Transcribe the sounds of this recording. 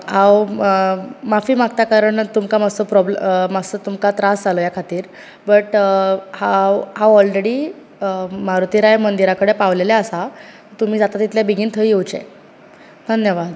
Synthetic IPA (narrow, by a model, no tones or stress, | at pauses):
ɦaw | mafiːmakt̪akaɾəɳt̪umkamasopɾɔblmasət̪umkat̪ɾasd͡zʱalojakʰat̪iːɾ | bəʈhawɦawɔlɾeɽiː | maɾut̪iɾajmənd̪iɾakəɽepaʋlelaəsa | ət̪um̤iːd͡zat̪at̪it̪ʰljabiɡʱiːnt̪ʰəjewt͡ɕḛ̃ | d̪ʱənjəʋad̪